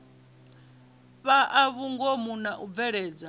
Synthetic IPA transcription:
βaʔaβuŋɡɔmunaʔub̪vɛɺɛːd͡za

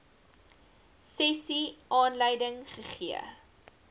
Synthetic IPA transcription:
sɛsiʔɑːnləjdəŋχəχiə

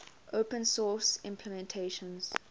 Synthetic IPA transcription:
ʔopə̃nsɔːsɪ̰̃mpʰləmɛ̃ntʰeːʃə̃nz̥

